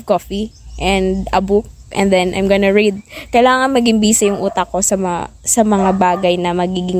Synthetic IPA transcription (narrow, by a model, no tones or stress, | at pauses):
koːfiʔɛnd̪ɐbuk̚ | ʔɛ̰̃nd̪ɛnʔɐ̰jmɡonɐɹid̪̚kɐjlaːŋɐnmɐɡɪmbiːsɐjʊŋʔuːt̪ɐko̞sɐmɐ̰sɐmɐŋabaːɡɐjnɐmɐɡiːɡɪŋ